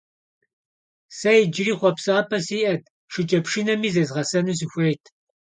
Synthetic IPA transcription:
sɐjd͡ʒɪriːχʷɔpsaːpʰɐsiːʔɐt̚ʰ | ʃɨt͡ʃʼɐpʂinɐmiːzɐzʁɐsɐnus̬ɨxʷejtʰ

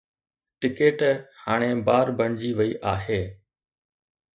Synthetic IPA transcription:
ʈɪkeːʈhaːɽ̃eːbaːɾbʱəɳd͡ʑiːʋəiːʔaːɦeː

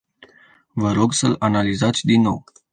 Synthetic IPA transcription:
vəɾo̞ɡsəlanalizat̪sʲd̪inːo̞̰w

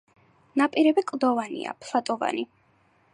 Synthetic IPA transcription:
napʼiɾɛbɛkʼlˠd̪ɔvanḭa̰pʰlˠat̪ʼɔva̰ni

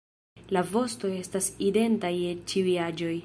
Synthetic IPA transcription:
lavo̞sto̞e̞staside̞ntajet͡ʃiujad͡ʒo̞j

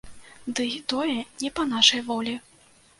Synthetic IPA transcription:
d̪ɨt̪ɔjɛnʲɛpɐnaʂɐjvɔlʲi

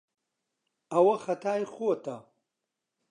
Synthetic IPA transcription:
ɐwɐxɐt̪ʰaːjxut̪ʰɐ

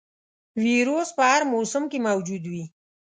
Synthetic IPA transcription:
wiɾospəaɾmosʊmkemawd͡ʒud̪wi

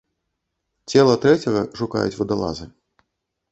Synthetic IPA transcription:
t͡sʲɛlˠɐt̪ɾɛt͡sʲɐɣɐʂuka̰jṵt͡sʲvɐd̪alˠa̰zɨ

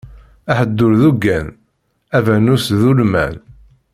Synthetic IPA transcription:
æħəd̪ːʊɾðuɡːæn | ævænusðulmæ̰n

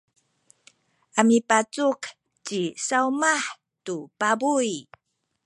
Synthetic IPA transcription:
ʔamipat͡suk | t͡ɕisaumaħ | tupabuj

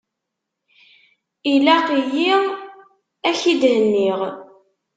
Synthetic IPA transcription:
ilæqijiʁ | æçid̪hənːiʁ

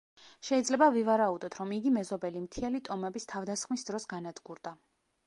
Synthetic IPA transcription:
ʃɛid̪zlɛbavivaɾaud̪ɔt̪ʰɾɔmiɡimɛzɔbɛlimt̪ʰialit̪ʼɔmɛbist̪ʰavd̪asχmisd̪ɾɔsɡanad̪ɡuɾd̪a

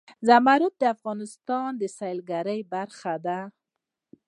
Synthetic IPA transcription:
zamaɾʊt̪̚d̪əafɣɑnɪst̪ɑnd̪əsɑjlɡaɾəjbaɾxad̪a

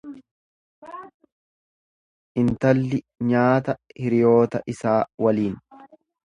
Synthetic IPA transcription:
ʔɪnt̪ɐlːɪ | ɲaːt̪ɐhɪɾɪjo̞ːt̪ɐʔɪsaːwɐliːn

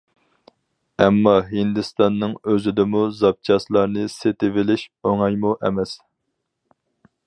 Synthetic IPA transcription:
ɛmːɑɦind̪ɨst̪ɑnːɨŋøzɪd̪ɪmuzɑp̚t͡ʃʰɑslˠɑɾnɨset̪ɪvɪlɪʃoŋɑjmuʔɛ̰mɛs

